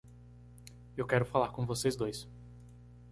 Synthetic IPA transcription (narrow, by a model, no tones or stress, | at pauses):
ewkɛɾʊfalaɾkõvosejzd̪ojs